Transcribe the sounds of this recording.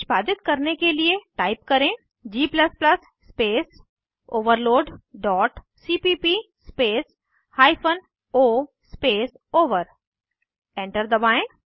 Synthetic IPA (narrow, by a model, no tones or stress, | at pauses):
ʃbaːd̪ɪt̪kɐɾnekelieʈaːɪp̚kɐɾẽ | d͡ʒiːpləsplɐsːpeːs | oːʋəɾloːɖɖɔːʈ | siːpiːpi | speːs | haːɪpʰən | oː | speːs | oːʋəɾ | ẽːɳʈəɾd̪ɐbaːẽ